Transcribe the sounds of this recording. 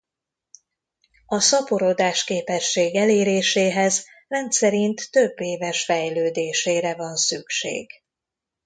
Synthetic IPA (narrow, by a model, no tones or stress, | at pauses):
ɒsɒpoɾo̞d̪aːʃkeːpɛʃːeːɡɛleːɾeːʃeːɦɛz | rɛnt̪sɛɾint̪ːø̞bːeːvɛʃfɛjløːd̪eːʃeːɾɛvɒnsykʃḛːɡ̥